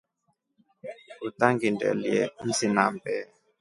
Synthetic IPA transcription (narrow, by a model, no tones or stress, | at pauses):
ut̪aŋɡindɛ̰liɛn̩sinambɛ